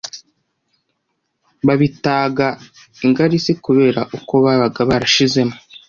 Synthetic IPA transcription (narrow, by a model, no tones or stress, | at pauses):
βaβitaːɡa | iŋɡaɾisikuβe̞ːɾaʔuko̞βaβaɡaβaɾaʃize̞mo